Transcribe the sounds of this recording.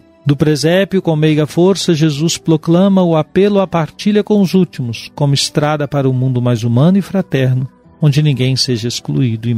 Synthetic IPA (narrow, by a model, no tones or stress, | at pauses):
d̪ʊpɾezɛbjʊkõw̃mejɡɐfoɾsɐʒezuspɾoklɐ̃mɐʊapelʊapaɾt͡ʃiʎɐkõʊzut͡ʃimʊskõmʊɪst̪ɾad̪ɐpaɾɐʊmũnd̪ʊmajzumɐ̃nʊɪfɾat̪ɛɾnʊ | õd͡ʒɪnĩɡẽj̃seʒɐesklṵid̪ʊɪ